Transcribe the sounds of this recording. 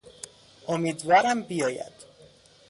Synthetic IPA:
ʔomiːd̪vɒːɾæmbijɒːjæ̰d̪̥

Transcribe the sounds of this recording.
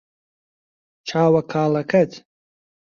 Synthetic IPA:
t͡ʃʰaːwɐkʰaːlɐkʰɐt̪ʰ

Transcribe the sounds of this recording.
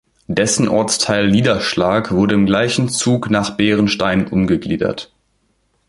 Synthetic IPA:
d̥ɛsn̩ʔɔ̰ɐt͡stʰaɪlniːdɐʃlaːkv̥ʊɐɾəɪmɡlaɪçn̩t͡suːknaːχb̥eːʁ̞ənʃtaɪnnʔʊmɡəɡlḭːdɐ̰t

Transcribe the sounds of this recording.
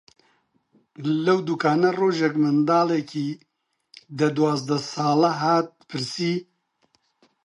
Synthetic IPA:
lɐwd̪ukʰaːnɐroːʒɛkmɨnd̪aːlekʰi | d̪ɐd̪uwaːzd̪ɐsaːlɐɦaːt̪̚pʰɨɾsiː

